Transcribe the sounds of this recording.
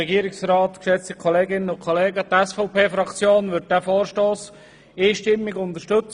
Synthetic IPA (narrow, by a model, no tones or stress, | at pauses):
ɛɡiːəɾɪksɾɑːtkʃɛt͡stikʰɔleːɡɪnənʊnkʰoleːɡətɛsfɔʊpeːfɾɑkt͡sjoːnʋʏt̚d̥æfoːɾʃtoːs | iːʃtɪmːɪɡʊnd̪əʃtɵt͡s